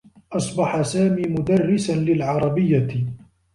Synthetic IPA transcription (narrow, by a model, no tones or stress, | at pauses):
ʔɑsˤbɑħasaːmiːmʊd̪arːɪsanlɪlʕɑɾˤɑbɪjːa